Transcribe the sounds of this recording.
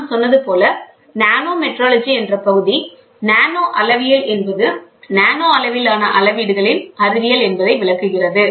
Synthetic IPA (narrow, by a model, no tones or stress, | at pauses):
sɔnːɐðɯpoːlɐ | naːnoːmɛʈɾaːlɐd͡ʒiɛndrɐpɐɣɯði | naːnoːʔɐlɐʋɪjɐlɛnbɐðɯnaːnoːɐlɐʋɪlaːnɐʔɐlɐʋiːɽɯɣɐɭɪnɐɾɯʋɪjɐlɛnbɐðɐɪʋɪɭɐkːɯɣɪrɐðɯ